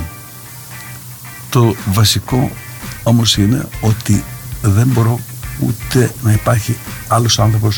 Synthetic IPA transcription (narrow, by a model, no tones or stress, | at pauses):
t̪o̞vɐsiko̞o̞mo̞sine̞̰o̞t̪iðe̞mbo̞ɾo̞ṵt̪e̞nɐipɐɾçiɐlo̞sɐnθɾo̞po̞s